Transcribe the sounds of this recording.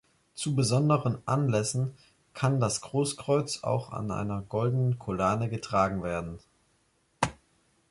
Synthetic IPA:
t͡subəzɔndəʁənʔanlɛsn̩ | kʰandasɡ̥ʁoːskʁ̥ɔʏt͡sa̰ʊxa̰nʔa̰ɪnɐɡɔldənənkʰolaːnəɡətʁ̥aːɡŋ̩veːɐdn̩

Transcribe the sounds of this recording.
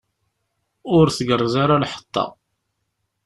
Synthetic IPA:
ʊɾθɡərˤːəzaɾalħə̥t̪ˤːɑ̰

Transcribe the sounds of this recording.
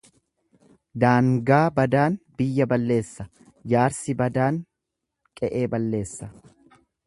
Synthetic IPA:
d̪aːŋɡaːbɐd̪aːnb̥ɪjːɐbɐlːe̞ːsːɐ | jaːɾsɪbɐd̪aːŋ | kʼɛʔe̞ːbɐlːe̞ːsːɐ

